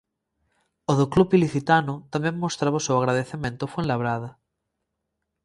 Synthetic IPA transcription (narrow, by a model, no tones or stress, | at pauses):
oðoklupiliθit̪anʊt̪amẽŋmːost̪ɾaβosewaɣɾaðeθemẽnt̪ofwẽnlaβ̞ɾaða